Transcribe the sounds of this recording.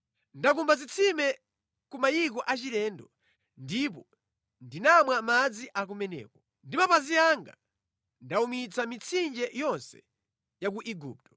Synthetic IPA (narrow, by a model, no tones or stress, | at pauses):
ndak̬umbazit͡sʰimɛ | kumajikɔʔat͡ʃiɾɛːndɔ | ndip̬ɔ | ndinamwamad͡ziʔak̬umɛnɛ̰ːkɔ | ndimapaziaŋɡa̰ | ndaumit͡samit͡sʰind͡ʒɛjɔnsɛ̥̰ | jakuʔiɡṵːp̚tɔ̥